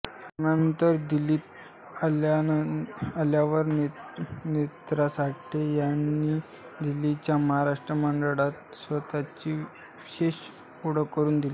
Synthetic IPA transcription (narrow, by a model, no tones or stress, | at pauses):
t̪anənt̪əɾd̪iliːt̪ | ala | aljaʋəɾnenet̪ɾasaʈːejanːiː | d̪ilit͡ɕjaməɦaɾaʂʈɾəməɳɖəɭat̪sʋət̪at͡ɕiː | ʋiɕeɕ | uɽ̤əkːəɾuːnd̪ili